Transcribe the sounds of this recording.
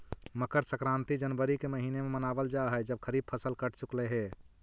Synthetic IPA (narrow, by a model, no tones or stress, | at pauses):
məkəɾsəkɾãnt̪id͡ʒənbəɾikeməɦinememənabəld͡ʒaɦəd͡ʒəb̚kʰəɾib̚pʰəsəlkəʈʰt͡ʃukleɦe